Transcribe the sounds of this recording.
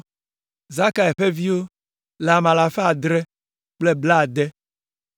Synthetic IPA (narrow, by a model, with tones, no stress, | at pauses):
za˦ka˨ɛ˨ɸe˦vi˦wo˦ | la˨mã˨la˨fe˦a˨d̪ɾe˦ | k͡ple˦bla˦˨d̪ɛ˦